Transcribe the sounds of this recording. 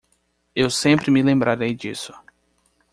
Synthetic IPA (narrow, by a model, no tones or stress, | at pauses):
ewsẽmpɾɪmɪlẽmbɾaɾejd͡ʒisʊ̥